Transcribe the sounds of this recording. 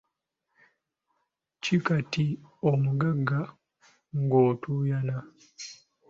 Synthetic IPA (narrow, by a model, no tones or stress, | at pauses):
cikatiomuɡaɡːa | ŋɡoːtʰujana